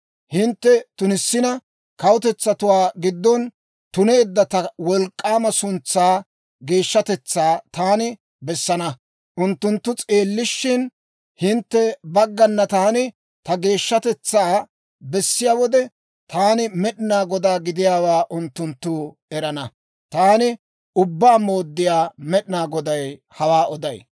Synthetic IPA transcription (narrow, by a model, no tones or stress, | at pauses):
hɪnt̪ːɛt̪ʊnɪsːɪnɐ | kɐwʊt̪ɛt͡sːɐt̪ʊwaːɡɪd̪ːɔn | t̪ʊne̞ːd̪ːɐt̪ɐwɔlkʼːaːmɐsʊnt͡sːaː | ɡe̞ːʃːɐt̪ɛt͡sːaːt̪aːnɪ | bɛsːɐnɐ | ʔʊnt̪ːʊnt̪ːʊt͡sʼe̞ːlːɪʃːɪn | hɪnt̪ːɛbɐɡːɐnːɐt̪aːnɪ | t̪ɐɡe̞ːʃːɐt̪ɛt͡sːaː | bɛsːɪjaːwɔd̪ɛ | t̪aːnɪmɛɗɪnaːɡɔd̪aːɡɪd̪ɪjaːwaːʔʊnt̪ːʊnt̪ːuː | ɛɾɐnɐ | t̪aːnɪ | ʊbːaːmo̞ːd̪ːɪjaːmɛɗɪnaːɡɔd̪ɐj | hɐwaːɔd̪ɐj